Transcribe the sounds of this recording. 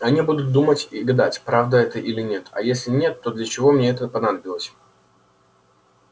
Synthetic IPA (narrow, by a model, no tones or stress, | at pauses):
ɐnʲibud̪ʊt̪̚d̪umətʲɪɡɐd̪atʲpɾavd̪əɛt̪əʔilʲɪnʲe̞t̪ɐ̰jesʲlʲɪnʲe̞t̪ːo̞d̪lʲət͡ɕɪvo̞mnʲeɛt̪əpɐnad̪əbʲɪlˠəsʲ